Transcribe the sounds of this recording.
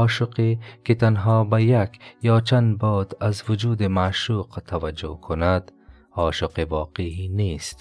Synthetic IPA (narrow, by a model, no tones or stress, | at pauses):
ɔːʃʊqeket̪anɦɑːbajakjɑːt͡ʃand̪bɔd̪azwʊd͡ʒuːd̪emaʃuːqt̪ʰawad͡ʒṵhkʰʊnad̪̥ | ɑːʃʊqewɑːqehinest̪